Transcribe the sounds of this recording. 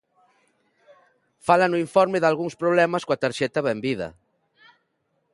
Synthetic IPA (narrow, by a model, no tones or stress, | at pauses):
falɐnuiɱfɔɾmɪðalɣuŋspɾoβ̞lɛmɐskoɐt̪aɾʃɛt̪ɐβɛmbiðɐ̰